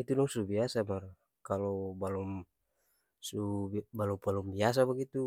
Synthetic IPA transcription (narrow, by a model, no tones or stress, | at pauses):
it̪unɔŋsubiasamar | kalɔbalɔm | subalupalumbias̬abaɡit̪u